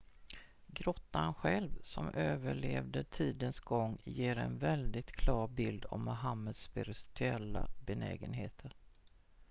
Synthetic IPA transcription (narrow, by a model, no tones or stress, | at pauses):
ɡɾɔt̪ːaanɧɛlvsɔmʔøːvəɭeːvd̪əʈʰiːd̪ənsɡɔŋːjeːɾɛnvɛld̪ɪt̪kʰlɑːɾbɪld̪ɔ̰mːʊɦamːəd̪sːpɪɾɪt̪ʰɵɛlːa̰bɛnɛːɡənɦeːt̪ʰəɾ